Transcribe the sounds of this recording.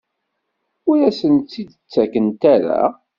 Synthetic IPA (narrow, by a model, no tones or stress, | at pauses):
ʊɾæsənt̪ːid̪ət͡sːækənt̪æɾa̰